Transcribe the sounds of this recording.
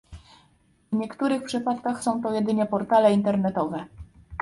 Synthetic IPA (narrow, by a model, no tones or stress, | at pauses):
vɲɛkt̪uɾɘxpʂɘpat̪kaxsɔ̃w̃t̪ɔjɛd̪ɘɲɛpɔɾt̪alɛint̪ɛɾnɛt̪ɔvɛ